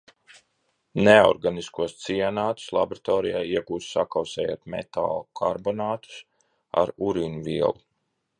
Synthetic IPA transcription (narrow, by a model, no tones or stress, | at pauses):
neɔ̰ɾɡaniskuɔst̪sianaːt̪u̥slˠabɾat̪ɔːɾijaːiɛɡuːssakawsɛːja̰ːt̪mɛ̰t̪a̰ːlˠkʰaɾbɔnaːt̪u̥s | a̰ɾuɾinuviɛlˠu